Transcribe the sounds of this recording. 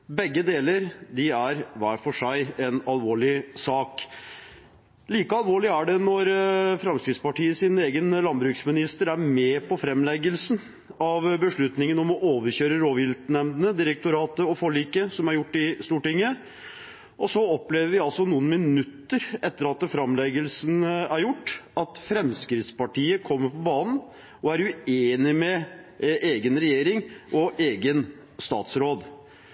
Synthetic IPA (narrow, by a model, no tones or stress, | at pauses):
bɛɡːəd̪eːləɾd̪ɪæɾʋæːɾfɔʂæɪɛnɑlʋoːɭɪsɑːk | liːkəɑlʋoːɭɪæɖɛnɔɾfɾɑmskɾɪd̪spɑʈiːəsɪneːɡənlɑnbɾʉːksmɪnɪst̪əɾæɾmɛːpɔfɾɛmlɛɡəlsn | ɑʋbəʂɭʉt̪nɪŋənɔmɔʔoːʋəɾçøːɾəɾoːʋjɪlt̪nɛmd̪ənəd̪ɪɾək̚t̪ʊɾɑːt̪əɔfɔɭiːkəsɔmæɾjʊʈːɪst̪uːʈɪŋːə | ʔɔsɔɔpleːʋəɾʋɪɑlsɔnuːənmɪnʉt̪ːəɾɛt̪ːəɾɑt̪fɾɑmlɛɡəlsnæɾjʊʈːɑt̪fɾɛmskɾɪt̪spɑʈʰiːəkʰɔmːəɾpʰɔbɑːnən̩ | ɔæɾʉeːnɪmɛ | ʔeːɡənɾɛjeːɾɪŋʔɔʔeːɡən | st̪ɑ̰ːt̪sɾoːd̪